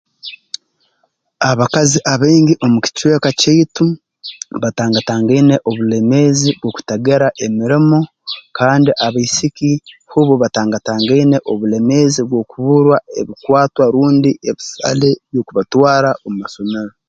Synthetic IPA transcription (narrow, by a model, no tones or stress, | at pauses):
aβakaziʔaβeːŋɡiʔo̞muki̥cwe̞ːkaceitu | βataːŋɡataːŋɡaine̞ʔoβule̞meːziβwo̞ːku̥taɡeɾaʔemiɾimo̞ | kaːndiʔaβaisikihuβoβataːŋɡataːŋɡaine̞ʔoβule̞meːziβwo̞kuβuɾwaeβikwaːtwaɾuːndiʔeβisa̰leβjokuβatwaːɾaʔomumaso̞meɾo